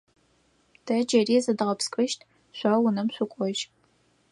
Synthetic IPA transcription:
d̥ʰɐd͡ʒɐriːzɐdɨʁɐpskʼɨʃtʰ | ɕʷɐwʊnɐmɕʷʊkʷʼɔʒ

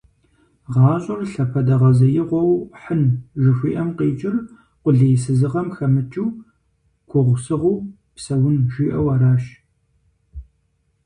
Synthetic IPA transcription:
ʁɑːɕʼʊrɬɐpʰɐdɐʁɐzɐjɪʁʷɔwħənʒɪfʷḭːʔɐmqeːt͡ʃʼɪr | qʷʊɮejsɨzɨʁɐmxɐmɨt͡ʃʼuː | ɡʷʰʊʁʷʊsɨʁʷuː | psɐwʊnʒʷiːʔɐwɐːɾaːʃ

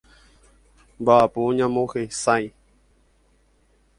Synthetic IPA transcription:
mbaʔapuɲãmõhesãj

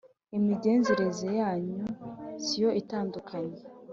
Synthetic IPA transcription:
imiɟe̞ːnzeɾezejaːɲusijo̞ʔitaːndukʰaɲe

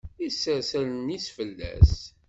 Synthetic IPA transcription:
isːæsælnisfəlːæ̰s

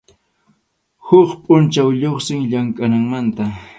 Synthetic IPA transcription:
hʊχpʼʊnt͡ʃawʎoχsɪŋʎaŋkʼanaŋmant̪a

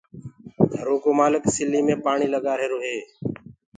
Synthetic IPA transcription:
d̪ʱəɾoːkoːmaːlɪksɪlːiːmẽːpaːɳiːləɠaːɾɦeːɾoːɦeː

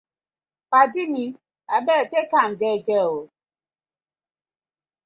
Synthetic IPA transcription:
padini | abɛtekamd͡ʒɛd͡ʒɛwo

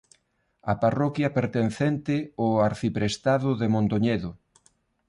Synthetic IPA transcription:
ɐparɔkjɐpeɾt̪enθɛnt̪ɪʊaɾθipɾest̪aðʊðemõnt̪oɲeðʊ

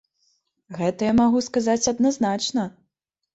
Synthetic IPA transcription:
ɣɛt̪ɐjamaɣuskazat͡sʲɐd̪naznat͡ʂnɐ

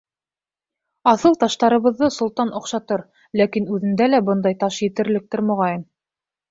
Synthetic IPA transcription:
ɑθɤlˠt̪ɑʃt̪ɑɾɤ̆βɤ̆ðːɤsŏlˠt̪ɑnʔŏqʃɑt̪ɤɾ | lækinʉðɘ̆nd̪ælæbɤnd̪ɑjt̪ɑʃjɘ̆t̪ɘ̆ɾlɘ̆k̚t̪ɘɾmŏʁɑjɤm

